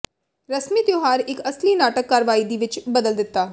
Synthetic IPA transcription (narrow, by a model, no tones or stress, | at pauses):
ɾəsmiːd̪joːɦaːɾɪkəsliːnaːʈəkːaːɾʋaːiːd̪iːʋɪt͡ʃbəd̪əld̪ɪt̪ːaː